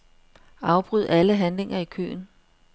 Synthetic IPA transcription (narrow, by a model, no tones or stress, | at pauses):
ɑ̈ʊb̥ʁyð̞̰ˠæləɦænle̝ŋʔɐikʰø̰ːn̩